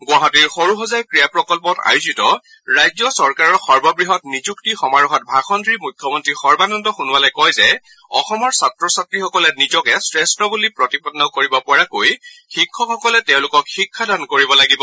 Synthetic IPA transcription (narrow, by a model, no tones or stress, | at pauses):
ɡwaɦɔtiɹxoɹuɦɔzajkɹijapɹɔkɔlpɔta̰juzitɔ | ɹajzɔsɔɹkaɹɔɹxɔɹbɔbɹiɦɔtnizuktixɔmaɹuɦɔt̚bʱaxɔndɹimujkʰːjɔmɔntɹixɔɹbanɔntɔxunuwalɔjkɔjzɛ | ɔ̰xɔmɔɹsatɹɔsatɹixɔkɔlɛnizɔkɛsɹɛstɔbulipɹɔtipɔdnɔkoɹibɔpɔɹakojxikʰːɔxɔkɔlɛtɛʊ̃lʊkɔkxikʰːadankoɹibɔlaɡibɔ